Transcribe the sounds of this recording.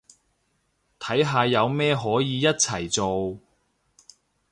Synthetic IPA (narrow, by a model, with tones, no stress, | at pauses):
t̪ʰɐ˨˥jɦaː˧jɐ˨˧wmɛː˥ɦɔː˨˥jiː˨˧jɐ˥t̚t͡sʰɐ˨˩jt͡so˨w